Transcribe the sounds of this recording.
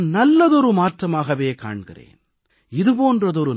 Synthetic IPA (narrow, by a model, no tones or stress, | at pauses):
nnɐlːɐðɔɾɯmaːʈrɐmaːɣɐʋeːka̰ːɳɣɪ̰rḛːn | ɪðɯpoːndrɐðɔɾɯ